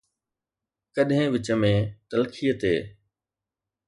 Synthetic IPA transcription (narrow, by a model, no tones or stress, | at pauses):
kəɗɦɪ̃ːʋɪt͡ɕəmẽːt̪ɐlkʰijət̪eː